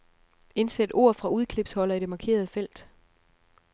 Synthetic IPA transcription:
e̝nsed̥o̝̰ːɐ̰fʁɑ̈uð̞ˠkʰle̝b̥shɒ̽lɐid̥e̝mɑ̈kʰe̝̰ːɐð̞ˠəfel̰d̥

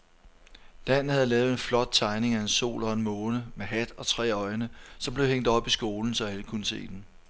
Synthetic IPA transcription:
d̥ænn̩hæð̞̩ˠlɛːʊð̩ˠe̝nflɒ̽d̥̚t͡sʰɑ̈ɪne̝ŋæe̝nso̝̰ːlɒ̽enmɔ̽ːnəmeɦæd̥ɒ̽t͡sʰʁɛ̰ːɒ̽ɪnəsɒ̽mb̥le̝ʊheŋ̰d̥ɒ̽b̥isɡ̥o̝ːln̩sɒ̽æləkʰunəse̝̰ːd̥en

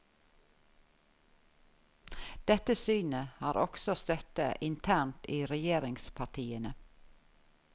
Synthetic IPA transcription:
d̪̥ɛt̪əsyːnəhɑːɾɔksɔst̪œt̪əʔɪnt̪ʰæːɳtiːɾɛjeːɾɪŋspʰɑʈʰiːənə

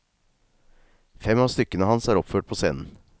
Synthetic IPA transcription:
fɛmɑːst̪ʏkənəhɑnsæːɾɔpføːʈ̚pʰoːsḛːnn̩

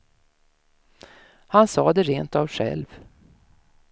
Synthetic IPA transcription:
hansɑːd̪ɛɾeːnt̪avɧɛ̰lv

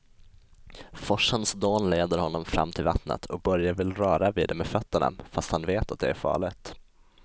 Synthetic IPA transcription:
fɔʂənsd̪oːnleːd̪əɾhɔnːɔmfɾa̰mːt̪ʰɪlva̰t̪nə̰t̪ʰɔk̚bœɾjavɪlɾœːɾaviːd̪ɛmefœt̪ːəɳa̰fast̪hanveːt̪ʰat̪̚d̪ɛæɾfɑ̰ːɭɪt̪

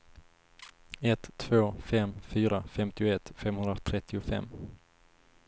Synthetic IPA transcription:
ɛt̪ʰːv̥oːfɛmfyːɾafɛmt̪ɪʊɛt̪fɛmhɵnɾat̪ʰɾɛt̪ːɪʊfɛ̰mː

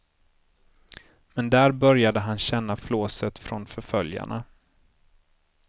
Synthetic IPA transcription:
mɛnd̪æːɾbœɾjad̪əɦanɕɛnːafloːsət̪fɾɔnfœɾfœlja̰ɳa̰

